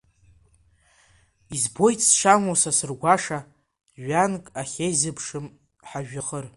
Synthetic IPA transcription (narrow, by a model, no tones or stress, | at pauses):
izbo̞jt͡sʼʰsʂamosasɨrɡʷaʂa | ɥankʼaχʲejzɨpʰʂɨm | ħaʒᶣaχər